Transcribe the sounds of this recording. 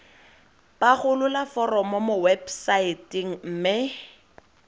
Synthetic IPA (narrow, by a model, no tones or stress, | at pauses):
paχʊlʊlafɔrɔmɔmʊwebsaitiŋ̩m̩mɪ